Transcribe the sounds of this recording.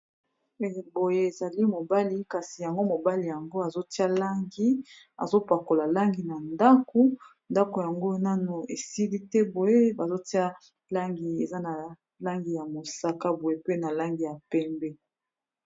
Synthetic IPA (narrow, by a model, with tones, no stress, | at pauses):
e˨bo˨je˦e˨za˨li˦mo˨ba˦li˦ka˨si˨ja˨ŋɡo˦mo˨ba˦li˨ja˨ŋɡo˦a˨zo˦ti˦a˦la˦ŋɡi˦ | a̰˨zo˦pa˨ko˨la˨la˦ŋɡi˨na˨nda˦ko˦ | nda˦ko˨ja˨ŋɡo˦na˦nu˨e˨si˦li˦tɛ˦bo˨je˦ba˨zo˦ti˦a˦ | la˦ŋɡi˨e˨za˦na˨ | la˦ŋɡi˨ja˨mo˨sa˦ka˦bo˨je˦pe˦na˨la˦ŋɡi˨ja˨pɛ˦mbɛ˦